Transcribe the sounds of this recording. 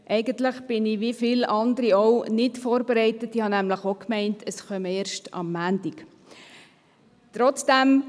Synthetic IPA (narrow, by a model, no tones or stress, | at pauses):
ʔɛɪɡəntləχb̥ɪniʋifilɑndəɾiownɪtfoːɾbeɾɛɪtətihɑnæmləχokmɛɪntʰəsχœməeːɾʃtɑ̰mːæːndik | t̪ɾɔt͡sd̥æm